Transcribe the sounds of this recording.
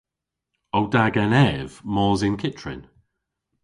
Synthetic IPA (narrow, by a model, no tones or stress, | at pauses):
oʊdaɡɛnɛv̥mɔːzɪ̃nkʰɪtɹ̥ɪ̰̃n